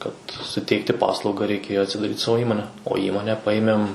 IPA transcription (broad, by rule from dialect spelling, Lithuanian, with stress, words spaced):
kɐt sʊˈtʲɛɪktʲɪ ˈpɑːslˠɐʊɡɐ rʲɛɪˈkʲeːjoː ɐtʲsʲɪdɐˈrʲiːt ˈsɑːʋoː ˈiːmoːnʲɛ oː ˈiːmoːnʲɛ ˈpɑːjɪmʲɛm